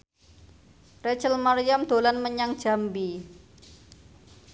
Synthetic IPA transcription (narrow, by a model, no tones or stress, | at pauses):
rɛt͡ʃəlmaɾijamd̪̥o̤lanməɲaŋd̥ʒ̥a̤mbi